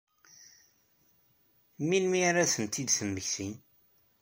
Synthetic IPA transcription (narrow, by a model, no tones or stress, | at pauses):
minmiaɾaθənt̪id̪θəmːəçθin